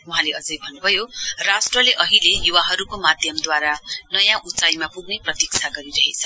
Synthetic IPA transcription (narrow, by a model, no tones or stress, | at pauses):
uɦãleʌd͡zʌjbʱʌnːubʱʌjorasʈrʌleʔʌɦilejuwaɦʌɾukomad̪ʱjʌmd̪waɾanʌjãʔut͡sajmapuɡneprʌt̪ikt͡sʰaɡʌɾiɾʌɦet͡sʰʌ